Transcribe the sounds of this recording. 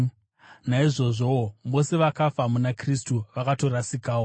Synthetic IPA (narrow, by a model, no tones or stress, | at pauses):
naiʐo̞ʐomo̞se̞ʋakafamunakristuʋakato̞ɾasikaːwo